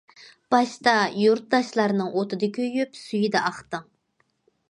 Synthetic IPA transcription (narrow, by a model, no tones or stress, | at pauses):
b̥ɑʃt̪ɑjuɾt̪̚d̪ɑʃlˠɑɾnɨŋʔot̪ɨd̪ɨkʲʰøjypsyjid̪ɛʔɑχt̪ɨŋ